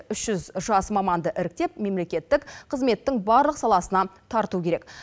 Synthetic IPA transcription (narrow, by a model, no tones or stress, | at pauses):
ʏʃʒʏzʒɑsmɑmɑnd̪əʔɪɾɪk̚t̪e̞p̚me̞mle̞kʲe̞t̪ːɪkqʰəzme̞t̪ːɪŋbɑɾlˠəqsɑlˠɑsənɑt̪ʰɑɾt̪ukʲeɾe̞k